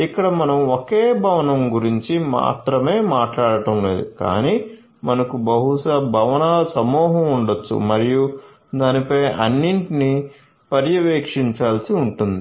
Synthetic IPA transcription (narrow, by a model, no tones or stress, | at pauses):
ikːɐɽɐmɐnɐmokeːbʱɐʋɐnɐmɡuɾiɲt͡ʃima̰ːt̪ɾɐme̞ːmaːʈlaːɽɐʈɐmle̞̰ːd̪uka̰ːniː | mɐnɐkubɐɦuʂɐbʱɐʋɐnɐsɐmɔːɦɐmuɳɖot͡ʃːṵmɐɾiju | d̪aːnipɐjɐ̰nːiɳʈini | pɐɾjɐʋeːkʂiɲt͡ʃaːlsiuɳʈund̪i